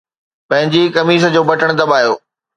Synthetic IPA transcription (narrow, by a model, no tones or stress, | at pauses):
pɐ̃ɦɪ̃ɲd͡ʑikɐmiːs̬d͡ʑoːbɐʈəɽ̃d̪ɐbaːjo̰ː